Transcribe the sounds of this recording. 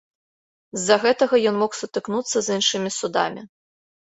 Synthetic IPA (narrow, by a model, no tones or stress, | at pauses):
zːɐɣɛt̪ɐɣɐjɔnmɔxsut̪ɨknut̪sːɐzinʂɨmʲisud̪a̰mʲi